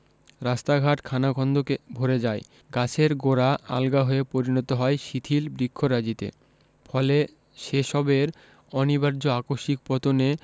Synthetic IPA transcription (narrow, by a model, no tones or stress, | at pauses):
ɾast̪aɡʱaʈkʰanakʰɔnd̪ʱokebʱoɾed͡ʑae | ɡat͡ɕʰeɾɡoɾaa̰lɡaɦoepoɾinot̪oɦɔeʃit̪ʰilbɾikʰːoɾad͡ʑit̪ḛ | fɔle | ʃeʃɔbeɾ | ɔnibaɾd͡ʑoakoʃik̚pɔt̪one